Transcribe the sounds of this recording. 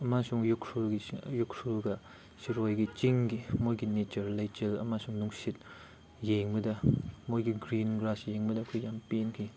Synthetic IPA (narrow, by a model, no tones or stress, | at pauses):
ɐmasuŋjukʰɾuɡijukʰɾuɡɐ | siɾojɡit͡ʃiŋɡimojɡinet͡ʃɐɾlɐjt͡ʃelɐ̰masuŋnuŋsit̚ | jeŋbɐdɐmojɡiɡɾinɡɾasjeŋbɐdɐːkʰojjampenkʰi